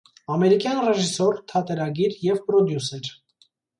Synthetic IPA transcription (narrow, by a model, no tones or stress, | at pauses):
ɑmɛɾikjɑnrɛʒisɔɾt̪ʰɑt̪ɛɾɑɡiɾjɛvpɾɔd̪jusɛɾ